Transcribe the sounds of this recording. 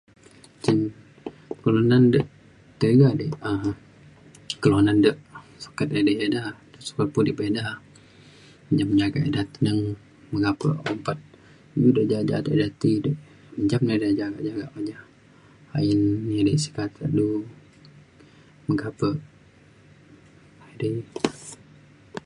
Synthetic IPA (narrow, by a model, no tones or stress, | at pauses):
t͡ʃən | kəlonandəʔ | t̪əɡadəʔə | kəloanandəʔso̥kət̪̚ədəʔedahdəʔsu̥kət̪̚pundiʔbedah | əɲd͡ʒamɲd͡ʒaɡa̰ʔedaht̪ənəŋ | məɡapə̰ʔɔmpat̪̚ | dudəʔd͡ʒad͡ʒa̰dəʔdat̪idəʔ | məɲd͡ʒamnədad͡ʒaɡa̰ʔd͡ʒaɡa̰ʔmad͡ʒah | a̰inadəʔsi̥kat̪ʰəʔdu | məɡapəʔ | adəj